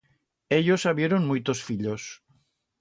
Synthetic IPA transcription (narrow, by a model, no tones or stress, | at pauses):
eʎosaβjeɾonmujt̪osfiʎos